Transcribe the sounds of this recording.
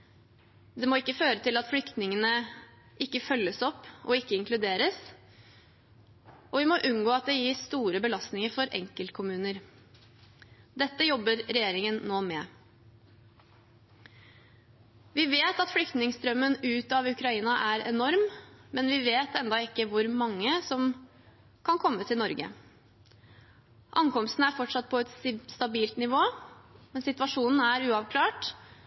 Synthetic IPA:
d̪ɛmoːɪkːəføːɾət̪ʰɪlɑt̪flʏkt̪nɪŋənə | ʔɪkːəfœlːəsɔpːɔɪkːəɪŋklʉd̪eːɾəs | ʔɔʋɪmɔʔʉnɡoːɑt̪̚d̪ɛjiːst̪uːɾəbəlɑst̪nɪŋəɾfɔɾʔɛ̰ŋkəlt̪̚kʰʊmʉːnəɾ | d̪ɛt̪ːəjɔbːəɾɾɛjeːɾɪŋənːoːmɛ | ʋɪʋeːt̪ɑt̪flʏkt̪nɪŋst̪ɾœmːənʉːt̪ɑʋʉkɾɑiːnɑʔæɾɛ̰nɔɾmmɛnʋɪʋeːt̪ʰɛnd̪ɑɪkːəʋʊɾmɑŋːəsɔm | kʰɑnkʰɔmːət̪ʰɪlnɔɾɡə̰ | ʔɑŋkɔmst̪n̩æɾfɔʈʂɑt̪̚pʰɔɛt̪st̪ɑbiːlt̪nɪʋoːmɛnsɪt̪ʋɑʂuːnn̩æɾʉːɑʋkʰlɑːʈ

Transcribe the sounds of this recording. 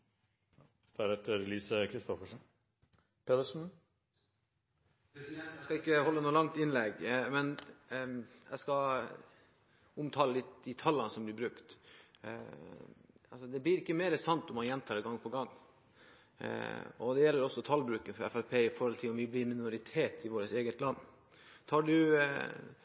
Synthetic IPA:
d̪̥ʰæɾɛt̪ːəɾlyːsəkʰɾɪst̪ɔfəʂn | pʰet̪əʂn̩ | skɑɪkːəhɔlːənuːlɑŋt̪ɪnlɛɡmɛn | jɛ̰skɑ | ʊmt̪ʰɑːləlɪt̪d̪ɪt̪ʰɑlːɑnəsɔmblɪɾbɾʉkt̪ | ɑlsɔd̪ɛblɪɾɪkːəmeːɾəsɑnt̪ɔmːɑnjɛnt̪ʰɑːɾɛɡɑŋːpʰɔɡɑŋː | ɔd̪ɛjɛlːəɾɔsːɔt̪ʰɑlbɾʉːkənfɔɾɛ̰fæpʰeːɪfɔɾhɔlt̪ʰɪlɔmʋɪblɪɾmɪnʊɾɪt̪ʰeːt̪ʰɪʋoːɾət̪eːɡət̪lɑnː | t̪ʰɑːɖʉ

